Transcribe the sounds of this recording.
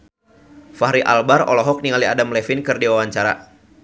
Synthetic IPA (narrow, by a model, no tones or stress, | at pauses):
faɦɾiʔa̰lbaɾɔ̰lɔɦɔk̚niŋaliadamlɛfinkɨrdiwawaɲt͡ʃaɾa̰